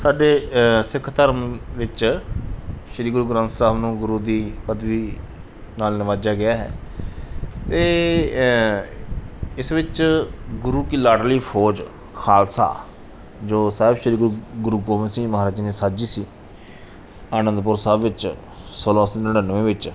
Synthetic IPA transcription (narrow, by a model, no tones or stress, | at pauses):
saːɖeːsɪkʰt̪əɾmʋɪt͡ʃ | ʃəɾiːɡɾuːɡɾə̃nt̪saːbnũːɡʊɾuːd̪iːpəd̪ʋiː | naːlnɪʋaːd͡ʒaːɡɪjaːɦɛ̰ː | t̪eː | ɪsʋɪt͡ʃɡʊɾuːkiːlaːɖliːpʰoːd͡ʒ | kʰaːlsa̰ː | d͡ʒoːsaːɦɪbʃəɾiːɡɾuːɡʊɾuːɡoːmẽːsĩːməɦaːɾaːd͡ʒnẽːsaːd͡ʒiːsiː | aːnə̃nd̪pʊɾsaːbʋɪt͡ʃ | soːlaːsnəɽənəʋẽːʋɪt͡ʃ